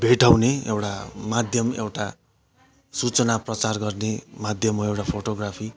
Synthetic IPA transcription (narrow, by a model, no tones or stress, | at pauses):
bʱeʈawneḛwʈamad̪ʱjʌmewʈa | sut͡sʌnaprʌt͡sarɡʌrnemad̪ʱjʌmoewʈapʰoʈoɡrapʰi